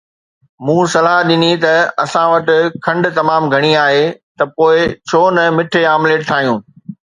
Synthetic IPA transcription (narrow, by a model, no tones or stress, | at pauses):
mũːsɐlaːɦɗɪnit̪ɐɐ̰sãʋɐʈɪ̆kʰɐ̃ɳɖʊ̆t̪ɐmaːmɡʱɐɽ̃iaːɦeːt̪ɐpoːɪt͡ɕʰoːnɐmɪʈʰeaːmleːʈ̚t̪ʰaːɦijũː